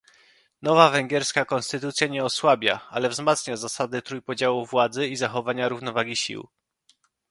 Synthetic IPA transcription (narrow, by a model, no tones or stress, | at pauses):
nɔvavɛŋɡʲjɛɾskakɔnst̪ɘt̪ut̪sʲjɛɲɛɔswabʲjaa̰lɛvzmat̪sɲazasad̪ɘt̪ɾujpɔd͡ʑawuvwad̪zɘizaxɔvaɲaɾuvnɔvaɡʲiɕḭw